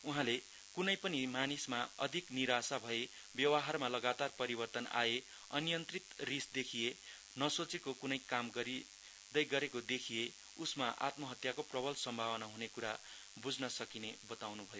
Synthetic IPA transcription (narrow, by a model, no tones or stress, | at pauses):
uɦãle | kunʌjpʌnimanismaʌd̪ʱikniɾasabʱʌe | bjʌwʌɦarmalʌɡat̪arpʌɾibʌrt̪ʌna̰e | ʌnjʌnt̪rit̪risd̪ekʰije | nʌsot͡sekokunʌjkamɡʌɾi | d̪ʌjɡʌɾekod̪ekʰije | usmaʔa̰t̪mʌɦʌt̪jakoprʌbʱʌlsʌmbʱawʌnaɦunekuɾa | bud͡znʌsʌkinebʌt̪awnubʱʌjo